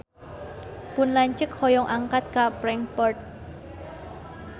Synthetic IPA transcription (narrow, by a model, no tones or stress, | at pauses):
pʊnlaɲt͡ʃəkhɔjɔŋʔaŋkat̪̚kapɾɛŋpɔrt̪̚